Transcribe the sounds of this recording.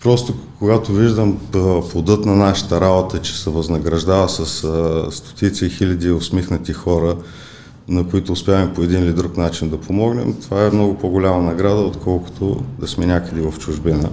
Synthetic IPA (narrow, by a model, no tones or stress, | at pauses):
pɾɔst̪okoɡat̪oviʒd̪əmplˠod̪ɤt̪nɐnaʃə̥t̪əɾabot̪ət͡ʃɛ̥sɛvɐznɐɡɾɐʒd̪avəsɐsst̪o̥t̪it̪siixilʲɐd̪iosmixnət̪ixɔɾə | nɐkoit̪ʊːspʲjaɣəmpoɛd̪inlid̪ɾuknat͡ʃind̪ɐpomɔɡnɛ̰mt̪ovaɛmnɔɡʊpoɡʊlʲamɐnɐɡɾad̪əot̪kʰɔlˠkʊ̥t̪o̰d̪ɐsmɛnʲakəd̪ɛvɐft͡ʃʊʒbinə